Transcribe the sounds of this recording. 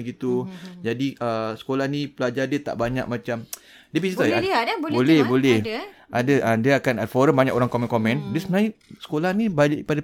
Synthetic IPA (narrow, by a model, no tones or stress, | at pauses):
ɡit̪ud͡ʒadiʔəsə̥kolahnĩpəlad͡ʒadiət̪a̰ʔbaɲa̰k̚mãt͡ʃam | diəpisit̪aadbbolɛhbolɛhʔadəʔədiəakanafɔɾəmbaɲakoɾaŋkomɛ̃nkomɛ̃ndisənaisə̥kolahnĩbapada